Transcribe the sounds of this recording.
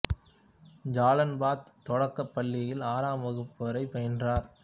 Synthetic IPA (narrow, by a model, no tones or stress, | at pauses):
d͡ʒaːlɐnbaːt̪t̪ːɔɽɐkːɐpːɐlːɪjɪlaːɾaːmɐɣɯpːɐɾɐɪpːɐjɐndraːɾ